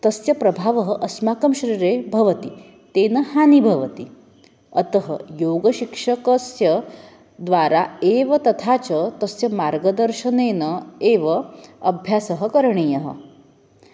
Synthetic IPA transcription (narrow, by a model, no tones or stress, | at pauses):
t̪əsjɐpɾɐbʱaʋəɦəʔɐsmakəmɕɾiːɾebʱɐʋət̪i | t̪eːnəhanibʱɐʋət̪i | ət̪əɦə̰joɡəɕikʂəkəsjə | d̪ʋaɾaeʋɐt̪ɐt̪ʰat͡ɕət̪ɐsjɐmaɾɡəd̪əɾʃəneːnəeʋəɐbʱjasəɦəkəɾɳ̃iːjəɦə̰